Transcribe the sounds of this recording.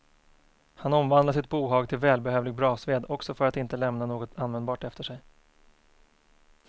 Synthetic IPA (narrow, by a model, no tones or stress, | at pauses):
hanɔmvand̪laʂɪt̪̚buːɦɑːɡt̪ʰɪlvɛːlbɛhøːvlɪɡ̚bɾɑːsveːd̪ɔksɔfœɾat̪ɪnt̪əlɛmnanoːɡɔt̪ʰanvɛnd̪bɑːʈɛft̪əʂɛj